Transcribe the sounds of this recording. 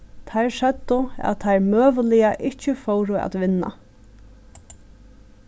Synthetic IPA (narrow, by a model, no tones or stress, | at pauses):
t̪ʰajɹʃɛt̪ːʊæ̰ðt̪ʰajɹmøːʋəlɪjaʔɪt͡ɕəfowɾʊa̰t̪ʋɪnːa̰